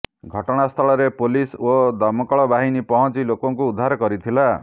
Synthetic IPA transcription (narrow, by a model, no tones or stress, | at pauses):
ɡʱʌʈɔɽ̃ast̪ʰʌɭʌɾepolisod̪ʌmʌkɔɭʌbaɦinipʌɦʌ̃t͡silokɔŋkoud̪ʱːaɾʌkʌɾit̪ʰila